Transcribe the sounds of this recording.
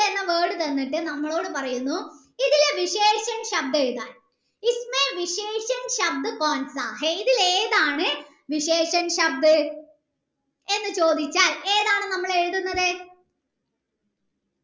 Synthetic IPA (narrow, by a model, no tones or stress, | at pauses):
enːɐʋeːɽɨt̪ɐnːiʈːɨnɐmːɐɭo̞ːɽɨpɐrɐjunːu | iðilʋiɕeːʂɐnɕɐb̚d̪eɻuðaːn | ismeʋiɕeːʂɐnɕɐb̚d̪ɨkoːnsaːɦeiðileːðaːɳɨ | ʋiɕe̞ːʂɐnɕɐb̚d̪ɨ | e̞nːɨt͡ɕo̞ːd̪it͡ɕːaːle̞ːðaːɳɨnɐmːɐɭe̞ɻuðunːɐðɨ